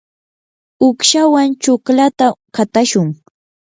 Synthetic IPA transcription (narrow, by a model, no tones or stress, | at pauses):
ʊkʃawant͡ʃʊklat̪akat̪aʃʊŋ